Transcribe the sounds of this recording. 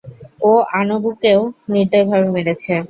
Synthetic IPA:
oanobukeoniɾt̪ojbʱabemeɽet͡ɕʰe

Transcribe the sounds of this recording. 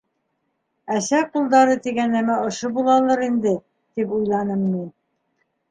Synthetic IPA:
æsæqulˠd̪ɑɾɤt̪iɡænæmæŏʃobulˠɑlˠɤɾind̪ɘ | t̪ipujlˠɑnɤmmin

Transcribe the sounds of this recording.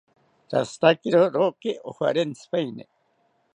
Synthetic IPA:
ɾast̪akiɾoɾokiʔoha̰ɾenspajnḛ

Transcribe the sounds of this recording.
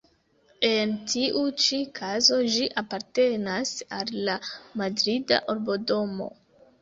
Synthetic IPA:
e̞ntʰiʔut͡ʃikʰazo̞d͡ʒiʔapaɾte̞nasalːamadɾida̰ʔoɾbo̞do̞mo̞̰

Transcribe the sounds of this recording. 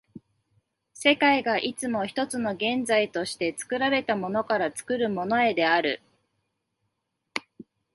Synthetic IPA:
se̞kaiɡaʔit͡sɨmo̞çi̥t̪o̞t͡sɨno̞ɡẽ̞nd͡zait̪o̞ɕi̥t̪e̞t͡sɨ̥kɯ̟ɾaɾe̞t̪amo̞no̞kaɾat͡sɨ̥kɯ̟ɾɯ̟mo̞no̞e̞d̪e̞aɾɯ̟

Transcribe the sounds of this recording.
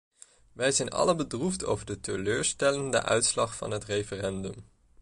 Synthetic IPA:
ʋɛjzɛjnɑ̰ləbədrufto̰wvəɹdətəløːɹstɛləndə̰ʔœ̰ɥtslɑχfɑ̰nɦətrejfərɛndɵm

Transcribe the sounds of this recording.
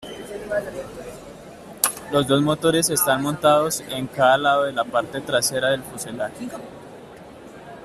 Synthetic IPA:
lo̞zd̪o̞zmo̞t̪o̞ɾe̞se̞st̪anmõ̞nt̪aðo̞se̞ŋkaðalaðoðe̞lapaɾt̪e̞t̪ɾase̞ɾaðe̞lfuselaɾ

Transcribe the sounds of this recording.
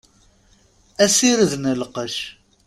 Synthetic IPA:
æsiɾəðnəlqəʃ

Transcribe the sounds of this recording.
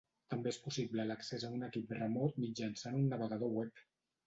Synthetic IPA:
t̪əmbeespusiβlələksezaunəkip̚d̪ərəmɔt̪̚mid͡ʒansanunːəβəɣað̞owɛp

